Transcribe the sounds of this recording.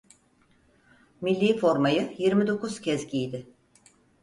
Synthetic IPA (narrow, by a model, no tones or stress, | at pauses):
milʲːiːfo̞ɾmajɯjiɾmid̪o̞kuz̥cʰɛzɟijd̪ɪ